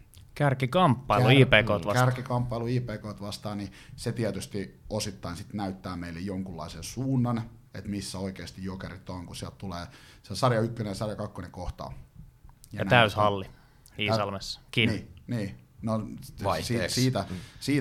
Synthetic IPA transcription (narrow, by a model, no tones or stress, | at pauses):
kærkikɑmpːɑiluiːpeːkoːt̪ʋɑkærkikɑmpːɑiluiːpeːkoːt̪ʋɑst̪ɑːniset̪iæt̪yst̪iosit̪ːɑinsit̪næyt̪ːæːmeilːejjoŋkulːɑ̰isensuːnːɑn | ḛt̪misːæoikeːst̪ijjokerit̪ːoŋkusiælt̪t̪uleːsesɑrjɑykːønesɑrjɑkɑkːonekoht̪ɑ̰ː | jɑnæt̪æyshɑlːi | iːsɑlmesːɑ̥kiniːniːnosisiːt̪æsiː